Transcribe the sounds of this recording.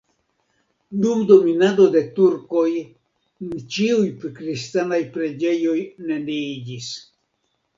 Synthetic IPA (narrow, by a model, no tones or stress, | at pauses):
dumdo̞minado̞de̞tuɾko̞j | nt͡ʃiujpkɾistanajpɾe̞d͡ʒe̞jo̞jne̞liid͡ʒis